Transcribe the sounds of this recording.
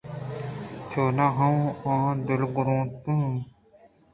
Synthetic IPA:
t͡ʃʰoːnaːɦɐ̃ãːd̪ɪlɡʊɾõːt̪ũ

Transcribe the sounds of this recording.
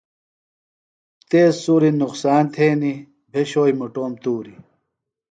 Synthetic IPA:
t̪eːsːuːɾinuqsaːnt̪ʰeːni | bʱeɕoːimuʈoːmt̪uːɾi

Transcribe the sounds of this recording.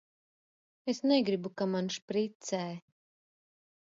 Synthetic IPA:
esneɡɾibukamanʃpɾit̪sɛːj

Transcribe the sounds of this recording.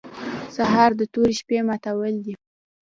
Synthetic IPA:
saɦɑɾd̪ət̪oɾiʃpemat̪awəld̪i

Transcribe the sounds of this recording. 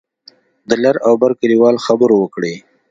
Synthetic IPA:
d̪əlaɾawbaɾkaliwɑlxabəɾowəkɽe

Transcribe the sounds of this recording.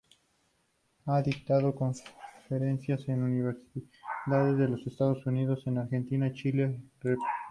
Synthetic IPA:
aðik̚t̪aðoko̞ɱfeɾensjase̞nuniβeɾsi | ðaðezðe̞lo̞sest̪aðosuniðo̞se̞naɾxe̞nt̪inait͡ʃilere

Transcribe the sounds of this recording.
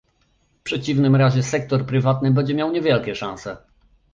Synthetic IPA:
fpʂɛt͡ɕivnɘmɾaʑɛsɛk̚t̪ɔɾpɾɘvat̪nɘbɛɲd͡ʑɛmʲjawɲɛvʲjɛlkʲɛʂãñsɛ

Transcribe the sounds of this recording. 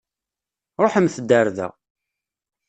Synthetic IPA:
ɾˤoħəmθəd̪ːəɾðæ̰

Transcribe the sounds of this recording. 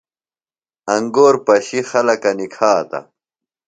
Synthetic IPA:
ɐŋɡoːɾpɐɕixɐlɐkɐnikʰaːt̪ɐ̰

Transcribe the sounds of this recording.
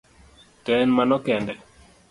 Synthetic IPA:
tɛnmanɔkɛndɛ

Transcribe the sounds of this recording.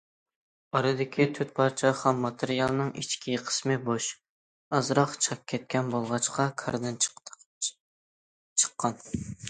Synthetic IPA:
ɑɾɨd̪ɪkʲʰit̪ʰyt̪̚pʰɑɾt͡ʃʰɛχɛmːɑt̪ʰɨɾijɑlˠnɨŋʔḭt͡ʃkʲʰiqʰə̥smɨboʃ | ɑzɾɑqt͡ʃʰɑk̚ʲʰːɛt̪̚kʲɛnbolˠʁɑt͡ʃqʰɑkʰɑɾd̪ɨn | t͡ʃʰə̥qʰːɑn

